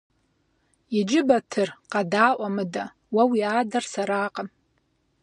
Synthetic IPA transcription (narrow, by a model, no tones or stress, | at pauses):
id͡ʒɪbatʰɨrqʼadaːʔʷʼamɨda | wawiaːdarsaɾaːqʼn